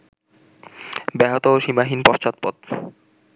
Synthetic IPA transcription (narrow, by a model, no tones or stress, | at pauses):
bɛɦot̪ooʃimaɦinpɔʃt͡ɕɔt̪̚pɔt̪̚